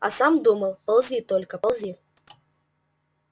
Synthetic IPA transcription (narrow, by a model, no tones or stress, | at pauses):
a̰samd̪uməlˠpɐlˠzʲit̪ɔlʲkəpɐlˠzʲi